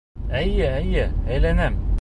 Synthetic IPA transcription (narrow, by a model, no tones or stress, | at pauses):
æjɘæjɘæjlænæm